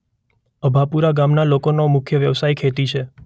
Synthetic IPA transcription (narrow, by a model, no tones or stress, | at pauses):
əbʱapuɾaɡamnalokonomʊkʰjəʋjəʋsaikʰet̪it͡ʃʰe